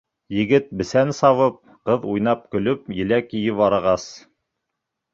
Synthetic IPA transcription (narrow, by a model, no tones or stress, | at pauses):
jɘ̆ɡɘt̪̚bɘ̆sænsɑβɤp̚ | qɤðujnɑp̚kɵ̆lɵp̚jɘ̆lækĭjɘpɑɾɤ̆ʁɑs